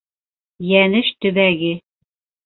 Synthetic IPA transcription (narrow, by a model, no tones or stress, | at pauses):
jænɘʃt̪ɵ̆βæɡɘ